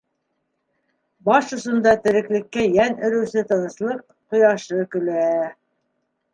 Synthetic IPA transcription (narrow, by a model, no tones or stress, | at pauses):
bɑʃŏʃɤ̆nd̪ɑt̪ɘ̆ɾɘ̆klɘ̆kːæjænɘ̆ɾɘ̆wsɘt̪ɤ̆nɤ̆slˠɤq̚ | qŏjɑʃɤkɵ̆læ